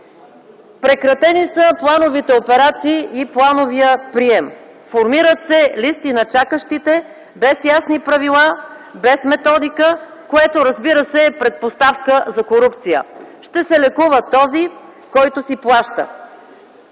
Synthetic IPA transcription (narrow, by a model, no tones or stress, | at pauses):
pɾɛkɾɐt̪ɛnisəplˠanovit̪ɛopɛɾat̪siːʔiplˠanoviəpɾiɛm | foɾmiɾət̪sɛlist̪inɐt͡ʃakəʃt̪it̪ɛ | bɛsjasnipɾɐvilˠa | bɛsmɛt̪ɔd̪ikə | koɛt̪oɾəzbiɾəsɛpɾɛt̪̚post̪afkəzɐkoɾupt̪sijə̰ʃt̪ɛsɛlɛkuvət̪ɔzi | kɔjt̪osiplˠaʃt̪ə̰